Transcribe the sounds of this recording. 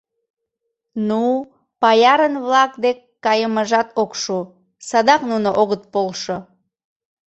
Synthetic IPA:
nu | pɑjɑɾənβlɑk̚d̪ekːɑjəməʒɑt̪okʃu | sɑd̪ɑknunoʔoɣət̪̚polʃo

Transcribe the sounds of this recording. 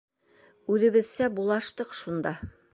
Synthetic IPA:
ʉðɘ̆βɘ̆ðsæbulˠɑʃt̪ɤqʃund̪ɑ

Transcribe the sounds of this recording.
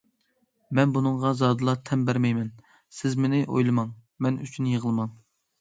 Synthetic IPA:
mɛnbunɨŋʁɑzɑːd̪ɨlˠɑt̪ʰɛmbæɾmɛjmɛn | sɪzmɪnɪʔo̰jlˠɨmɑŋ | mɛnyt͡ʃʰynjəʁəlˠɨmɑŋ

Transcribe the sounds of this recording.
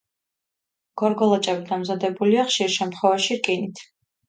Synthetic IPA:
ɡ̥ɔɾɡɔlˠat͡ʃʼɛbid̪amzad̪ɛbuliaχʃiɾʃɛmt̪ʰχwɛvaʃiɾkʼinit̪ʰ

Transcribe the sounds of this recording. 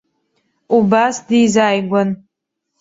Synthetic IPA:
ubasdizaːjɡʷan

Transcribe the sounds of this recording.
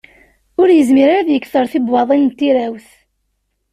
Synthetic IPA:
ʊɾjəzmiɾaɾæðjəkːθəɾˤθibwɑðˤinnt̪ːiɾæwθ

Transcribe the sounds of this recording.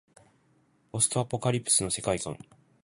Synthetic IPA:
o̞sɨ̥t̪oapo̞kaɾʲipːɯ̥sɨno̞se̞kaikã̰ŋ

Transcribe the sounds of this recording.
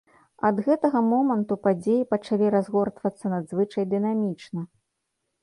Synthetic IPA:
ɐd̪ɣɛt̪ɐɣɐmɔmɐnt̪upad͡zʲejipɐt͡ʂalʲiɾazɣɔrt̪vɐt̪sːɐnɐd̪zvɨt͡ʂɐjd̪ɨnamʲit͡ʂnɐ

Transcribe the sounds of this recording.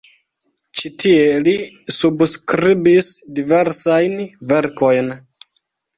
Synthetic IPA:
t͡ʃitʰie̞lisubskɾibisdive̞ɾsajnve̞ɾko̞jn

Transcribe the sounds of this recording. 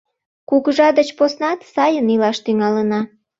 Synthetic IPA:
kukəʒɑd̪ət͡ɕposnɑt̪sɑjənilɑʃt̪yŋɑlənɑ

